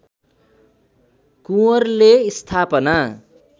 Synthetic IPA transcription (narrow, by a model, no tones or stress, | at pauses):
kuʌrleist̪ʰapʌna